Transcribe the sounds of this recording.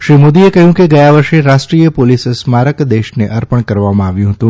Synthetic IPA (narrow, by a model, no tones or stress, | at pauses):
ʃɾimod̪iekəɦjũkeɡəjaʋəɾʃeɾaʃʈɾijəpolissmaɾəkd̪eʃneʔəɾpəɳkəɾʋamãaʋjũɦət̪ũ